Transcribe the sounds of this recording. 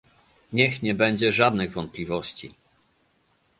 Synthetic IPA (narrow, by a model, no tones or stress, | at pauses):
ɲɛxɲɛbɛɲd͡ʑɛʐad̪nɘɣvɔnt̪̚plʲivɔɕt͡ɕḭ